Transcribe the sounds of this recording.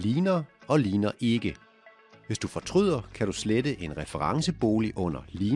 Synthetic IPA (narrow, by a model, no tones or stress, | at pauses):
liːnɐɒ̽liːnɐʔe̝ɡ̥ə | ʋe̝sd̥ufɒ̽t͡sʰʁyð̰ˠɐkʰæɾ̥usledəʔe̝nʁɛfəʁɑ̈ŋsəb̥o̝ːliʔɔ̽n̰ɐliː